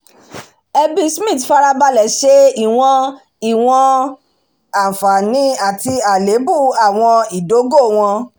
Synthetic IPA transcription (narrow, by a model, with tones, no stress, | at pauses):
ɛ˧bi˧smĩ˦˨tfa˧ɾa˧ba˧lɛ˨ʃe˨˦i˦˨w̃ɔ̃˧ | i˨w̃ɔ̃˧ | a˨fa˨nĩ˨˦a˦˨ti˧a˨le˨˦bu˦˨a˨w̃ɔ̃˧i˨do˨˦ɡo˦˨w̃ɔ̃˧